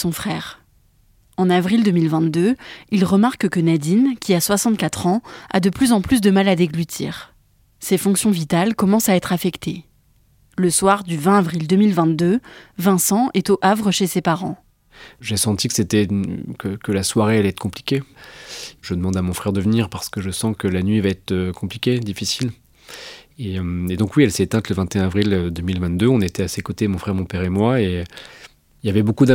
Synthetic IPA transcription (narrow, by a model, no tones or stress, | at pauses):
sɔ̃fχɛːʁ | ɑ̃navʁild̪əmilvɛ̃t̪d̪øilʁəmaʁkkənad̪inkʲiaswasɑ̃t̪kat̪χɑ̃a̰d̪əplyzɑ̃plys̬d̪əmalad̪eɡlyt̪ʰḭːʁ | sefɔ̃ksjɔ̃vit̪alkɔmɑ̃saɛt̪χafɛkt̪ʰe | ləswaʁd̪yvɛ̃avʁild̪əmilvɛ̃t̪̚d̪øvɛ̃sɑ̃ʔɛt̪oʔavʁəʃesepaʁɑ̃ | ʒesɑ̃t̪ikə̥set̪ɛkəkəlaswaʁealɛt̪kɔ̃pli̥kʲe | ʒəd̪əmɑ̃d̪amɔ̃fχɛʁd̪əvəniʁpaʁsə̥kəʒəsɑ̃kəlanɥivaɛt̪χøkʰɔ̃plikʲed̪ifisil | eømed̪ɔ̃kwiɛlsɛːt̪ɛ̃t̪ləvɛ̃t̪eɛ̃avʁilød̪əmilvɛ̃t̪̚d̪øɔ̃net̪ɛasekot̪emɔ̃fχɛʁmɔ̃pɛʁemwae | iljavɛbokud̪a